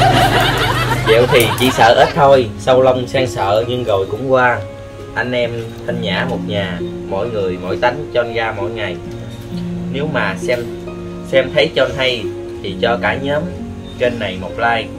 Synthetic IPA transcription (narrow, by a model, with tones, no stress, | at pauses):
kḭ˧˨əwt̪ʰi˨˩t͡ɕḭ˧˩sə̰ː˧˨ʔeː˦˥t̚t̪ʰo˧jsa˧wlə˧wŋ͡msaː˧ŋsə̰ː˧˨ɲɨ˧ŋɣo˨˩jkʊ̰˧˥ŋ͡mkwaː˧ | ʔa˧jŋ̟ʔɛ˧m | t̪ʰə˧nza̰ː˧˩mo˨˩t̚ɲaː˨˩ | mɔ̰˧˥˨jŋɨ˨˩əjmɔ̰˧˥˨jt̪a˨˦jŋ̟t͡ɕɔ˧nɣaː˧mɔ̰˧˥˨jŋa˨˩j | ne˨˦wmaː˨˩sɛ˧m | sɛ˧mt̪ʰə˨˦jt͡ɕɔ˧nɦa˧j | t̪ʰi˨˩t͡ɕɔ˧kaː˧˩ɲəː˨˦m | ke˧nːa˨˩jmo˨˩k͡p̚laː˧j